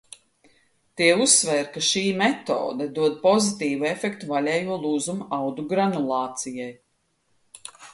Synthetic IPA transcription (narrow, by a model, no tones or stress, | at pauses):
t̪iɛusvɛɾkaʃiːmɛt̪o̰ːd̪ad̪uɔd̪̚pɔzit̪iːvuefɛkt̪uvalʲɛːjuɔlˠuːzumuʔawd̪uɡɾanulˠɑːt̪sijaj